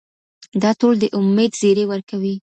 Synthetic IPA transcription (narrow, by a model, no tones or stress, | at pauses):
d̪ɑʈold̪əʔʊmːed̪zeɾewəɾkawi